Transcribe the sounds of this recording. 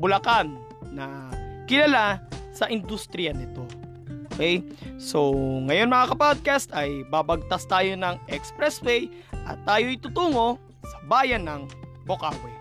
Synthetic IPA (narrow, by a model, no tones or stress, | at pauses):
bʊlɐkanː | ɐkɪlalasɐʔɪnd̪ust̪ɾɪjanɪt̪o̞ | ookɛjsoŋɐjo̞nmɐŋakɐpod̪̚kast̪ɐjbabɐɡ̚t̪ast̪aːjo̞nɐŋʔɛkspɾɛswɛj | ʔɐ̰t̪ːaːjoʔɪt̪ut̪uːŋo̞ | sɐbaːjɐnːɐŋ | bokaːwɛ